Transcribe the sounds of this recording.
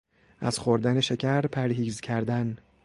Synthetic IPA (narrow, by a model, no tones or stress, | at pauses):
ʔæz̥xoɾd̪æne̞ʃe̞cʰæɾpʰæɾɦiːzcʰæɾd̪æn